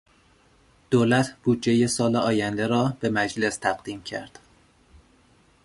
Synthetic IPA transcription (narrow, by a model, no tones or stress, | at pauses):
d̪̥oːlæt̪ʰb̥uːd̪d͡ʒejesɒːleɒːjænd̪eɾɒːb̥emæd͡ʒle̞st̪ʰæɣd̪iːmcʰæ̰ɾd̪̥